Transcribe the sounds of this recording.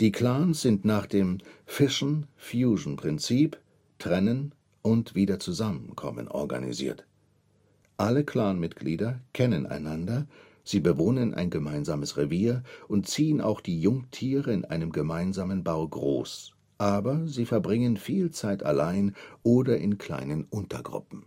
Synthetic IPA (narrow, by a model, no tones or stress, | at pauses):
d̥iːkʰl̥aːnsz̥ɪntnaːχd̥eːmfɪʃn̩fjuːʒn̩pʁ̥ɪnt͡siːp | tʁ̥ɛnən | ʔʊntv̥iːdɐt͡suzamənkʰɔ̰mə̰nʔɔ̰ɐɡa̰nḭzḭːɐt | ʔaləkʰl̥aːnmɪtɡ̥liːdɐkʰɛnənʔa̰ɪnandɐ | z̥iːbəvoːnənʔa̰ɪnɡəmaɪnzaːməsʁeviːɐʔʊnt̚t͡siːənʔa̰ʊxd̥iːjʊŋtʰiːʁəɪnʔa̰ɪnəmɡəmaɪnzaːmənbaʊɡʁo̰ːs | ʔaːbɐziːfɛɐbʁɪŋənfiːlt͡saɪta̰laɪnʔoːdɐʔɪnkʰl̥a̰ɪnənʔʊntɐ̰ɡʁʊ̰pm̩